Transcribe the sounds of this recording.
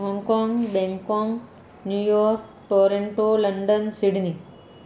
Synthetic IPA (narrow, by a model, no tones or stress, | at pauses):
ɦɔŋkɔŋɡbeŋkɔŋ | njujɔːɾk | ʈoːɾeɳʈolɐɳɖənsiɽni